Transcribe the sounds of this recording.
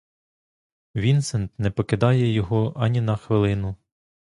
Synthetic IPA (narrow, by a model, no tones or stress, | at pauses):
ʋʲint̪sɛnt̪nɛpɔkɪd̪ɑjɛjɔɦɔʔɐnʲinɐxʋɪlˠɪnʊ